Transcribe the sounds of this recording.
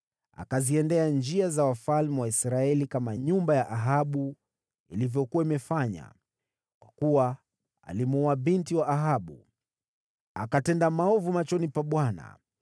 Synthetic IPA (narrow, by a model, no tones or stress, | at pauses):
a̰kaziɛndɛand͡ʒiazawafalmɛwaisɾaɛlikamaɲumbajaʔaɦaɓu | ilivjɔkuwaimɛfaɲa̰ | kwakuwa | a̰limuɔaɓintiwaʔːɦaɓṵ | akatɛndamaɔvumat͡ʃɔnipaɓwana̰